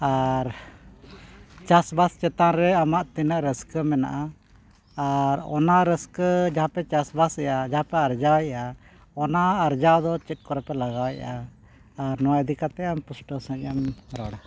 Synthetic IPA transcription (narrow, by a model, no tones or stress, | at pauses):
aɾ | t͡ʃasbast͡ʃɛt̪anɾɛamaʔt̪inəʔɾəskəmɛna̰ʔa | aɾɔ̰naɾəskəd͡ʒaɦãpɛt͡ʃasbasɛjad͡ʒaɦãpɛaɾd͡ʒawaja | ɔnaːɾd͡ʒawd̪ɔt͡ʃɛt̪̚kɔɾɛpɛlaɡawajʔaː | ɾnɔwaɛd̪ikat̪ɛampusʈɔsə̃ɲəmɾɔɽa